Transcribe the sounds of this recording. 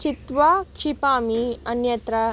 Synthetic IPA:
t͡ʃit̪ʋakʂipaːmiɐnjɐt̪ɾɐ

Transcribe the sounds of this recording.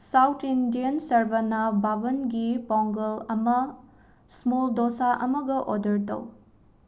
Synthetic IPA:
sawtʰindijɐnsɐɾbɐnɐbabɐnɡipawŋɡɐlɐmɐ | smoldosaʔɐmɐɡɐʔodɐɾtɐ̰w

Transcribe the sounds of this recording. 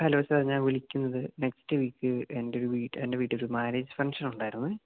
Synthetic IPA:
kɐlɐʋɐsɐpɐriɲːaːlʋiɭikʲːunːɐðɨne̞kstɨʋiːkːɨendeoɾuʋiːʈːende̞ʋiːʈːɨoɾumaːneːd͡ʑɨfɐŋʂɐnuɳɖaːjiɾunːɨ

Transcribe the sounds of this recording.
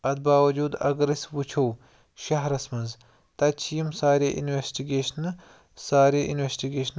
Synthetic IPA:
ɐd̪̚baːwɐd͡ʒuːd̪ɐ̰ɡɾɐsʲwut͡ʃʰow | ʃɐɦɾɐsmɐnz | t̪ɐt͡ʃʰijimsaːɾeʔḭnwesʈiɡeːʃɐn | saːɾieʔinwesʈiɡeːʃn

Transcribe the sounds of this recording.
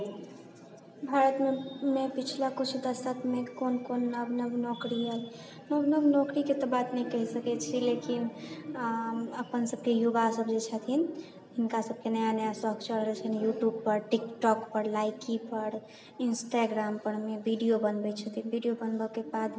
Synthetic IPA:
bʱaɾət̪memepit͡ʃʰlakut͡ʃʰud̪əsət̪ʰmekonkonːəbnəbnɔkɾiɦəl | nəbnəbnɔkɾiket̪ɔbat̪nəikəɦisəkɛt͡ʃʰilekin | əpənsəb̚kejuɡasəbd͡ʒet͡ʃʰət̪ʰin | ɦɪnkasəb̚kenəjanjasəɦɡt͡ʃəɽɾət͡ʃʰənjuʈjubpəɾʈikʈɔkpəɾlajkipəɾ | insʈaɡɾampəɾmebiɖijobənbɛt͡ʃʰət̪ʰinbʱiɖijobənbəkebad̪

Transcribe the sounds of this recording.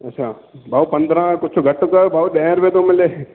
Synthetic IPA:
ɐt͡ʃʰaː | bʱaːupɐ̃nd̪ɾãkʊt͡ʃʰoɡʱɐʈːokəbʱaːuɖɛ̃ːɾʋeːt̪omɪle

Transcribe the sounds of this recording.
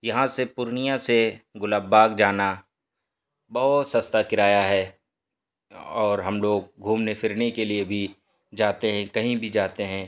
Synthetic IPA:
jɐɦãsepʊɾnijãseɡʊlaːbaːɡd͡ʒaːna | bɐɦʊt̪sɐst̪akɪɾaːjaɦɛː | ɔːɾɦɐmloːɡ̚ɡʱuːmnefʰɪɾnekeliebʱi | d͡ʒaːt̪eɦɛ̃kɐɦĩbʱid͡ʒaːt̪eɦɛ̃ː

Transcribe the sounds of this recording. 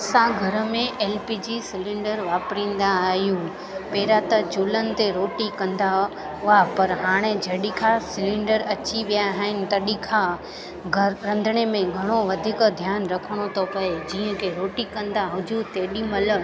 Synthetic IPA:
sãɡʱɐɾəmẽʔeːlpiːd͡ʑisɪlɪ̃ɳɖəɾʋaːpɾĩːnd̪aːɦijũ | peːɾat̪ɐd͡ʑulənɪ̆t̪eɾoːʈikɐ̃nd̪a | ʊapɐɾɦaːɽ̃ed͡ʑʱɐɦɗikʰasɪlɪ̃ɳɖəɾɐt͡ɕiʋijaɦaɦɪnɪ̆t̪ɐɗikʰa | ɡʱɐɾɐ̃nd̪ʱəɽ̃emẽɡʱɐɽ̃oʋɐd̪ʱɪkd̪ʱjaːnɾɐkʰəɽ̃ot̪ʰopɐed͡ʑiːə̃kʰeɾoːʈikɐ̃nd̪aɦʊd͡ʑʱut̪eːɗimɐlə

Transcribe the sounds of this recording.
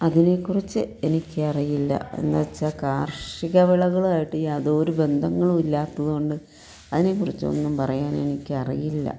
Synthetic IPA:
ɐðine̞kːurit͡ɕːɨe̞nikʲːɨɐrijilːɐ̰ḛnːɐt͡ɕːakaːrʂiɣɐʋiɭɐɣɐɭaːjiʈːɨjaːðo̞ːɾube̞nd̪ʱɐŋːɐɭumilːaːt̪ːɐðuɣoɳɖɨ | ɐðine̞kːurit͡ɕːo̰nːumpɐrɐjaːne̞nikʲːɨɐrijilːɐ̰

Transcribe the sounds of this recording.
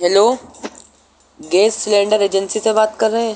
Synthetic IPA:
ɦɛloː | ɡeːssɪlẽːɳɖəɾeːd͡ʒənsisebaːt̪kɐɾːəɦẽ

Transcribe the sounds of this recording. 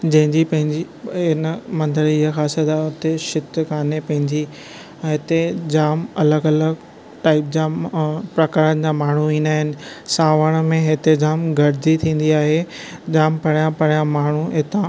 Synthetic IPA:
d͡ʑɐ̃ɦɪ̃ɲd͡ʑipɐ̃ɦɪ̃ɲd͡ʑi | ɪnəmɐ̃nd̪əɽiɪɦaxaːsət̪aːʊt̪eʃɪt̪kaːnepɐ̃ɦɪ̃ɲd͡ʑi | ɦɪt̪ed͡ʑaːmɐləɡɐləɡ | ʈaːɪp̚d͡ʑaːpɾɐkaːɾən̆d͡ʑaːmaːɳ̤uĩːnd̪aːɦɪnɪ̆saːʋəɽ̃mẽɦɪt̪ed͡ʑaːmɡʱɐɾɪd͡ʑit̪ʰĩːn̆d̪iaːɦe | d͡ʑaːmpɐɽ̤ijãpɐɽ̤ijãmaːɳ̤uɦɪt̪ã

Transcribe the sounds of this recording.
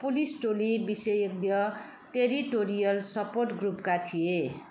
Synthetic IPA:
pulisʈolibisejek̚d̪jʌ | ʈeɾiʈoɾijʌlsʌporʈɡrupkat̪ʰije

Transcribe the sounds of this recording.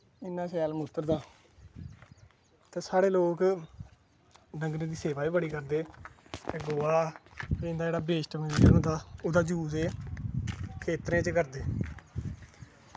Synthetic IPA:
ɪnːãːsɛːlmʊst̪əɾd̪aː | t̪eːsaːɽeːloːk | nəŋɡnẽːd̪iːseːʋaːiːbəɽiːkəɾd̪eːt̪eːɡoːaːɪ̃nd̪aːd͡ʒeːaːbeːʃʈməd͡ʒənd̪aːʊd̪aːd͡ʒuːseː | kʰeːt̪ɾẽːt͡ʃkəɾd̪eː

